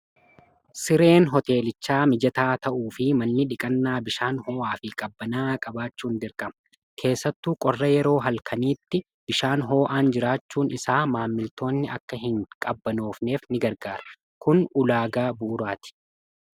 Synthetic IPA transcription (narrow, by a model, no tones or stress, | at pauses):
sɪɾe̞ːnɦɔt̪e̞ːlɪt͡ʃːaːmɪd͡ʒɐt̪aːt̪ɐʔuːfɪmɐnːɪᶑɪkʼɐnːaːbɪʃaːnho̞ːʔaːfɪkʼɐbːɐnaːkʼɐbaːt͡ʃːuːnd̪ɪɾkʼɐmɐ | kʰe̞ːsːɐt̪ːuːkʼɔrːɐjɛɾo̞ːɦɐlkʰɐniːt̪ːɪ | b̥ɪʃaːnɦo̞ːʔaːnd͡ʒɪɾaːt͡ʃːuːnɪsaːmaːmːɪlt̪ʰo̞ːnːɪɐkːɐɦɪŋkʼɐbːɐnoːfne̞ːfnɪɡɐɾɡaːɾɐ̥ | kʊnʊlaːɡaːbuːɾaːt̪ɪ̥